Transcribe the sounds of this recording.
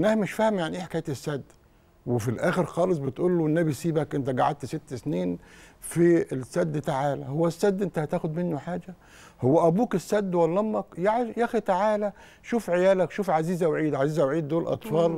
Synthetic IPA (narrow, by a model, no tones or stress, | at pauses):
ʔenːæhmɪʃfæhmjaʕnʔeːħḁkæːjt̪esːæd̪ː | wefilʔæːxeɾxɑːlɨs̬ˤbet̪ʔuːlːoenːæbisiːbækʔent̪æɡaʕad̪̚t̪set̪ːsniːnfisːæd̪ːt̪aʕaːlæhowːæsːæd̪ːʔent̪æhæt̪æːxʊd̪menːoħaːd͡ʒæ | howːæʔæbuːkesːæd̪ːwælːɑmːɑkjaʕjæxit̪aʕaːlæ | ʃuːfʕejæːlækʃuːfʕaziːzæwʕiːd̪ʕaziːzæwʕiːd̪ːoːlʔɑ̰t̪ˤfɑːl